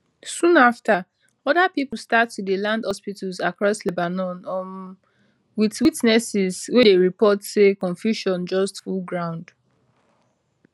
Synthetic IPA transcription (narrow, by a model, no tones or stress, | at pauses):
sũnafta | ɔdapipl̩statːudelãndhɔspitəzakɹɔslebanɔ̃nɔ̃n | witwitnɛsɪzwedeɹipɔtsekɔ̃ɱfjuʃɔ̃nd͡ʒɔstfulɡɹãʊ̃nd